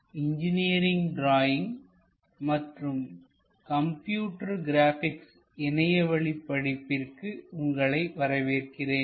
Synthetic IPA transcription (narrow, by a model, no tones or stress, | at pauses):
ɪɲd͡ʒɪnɪjɐɾɪŋɡɖɾaːjɪŋ | mɐʈrɯm | kɐmpjuːʈːɐɾɡɪɾaːfɪks | ɛnɐjɐʋɐɭɪpːɐɽɪpːɪrkɯʊŋɡɐɭɐɪʋɐɾɐʋeːrkɪreːn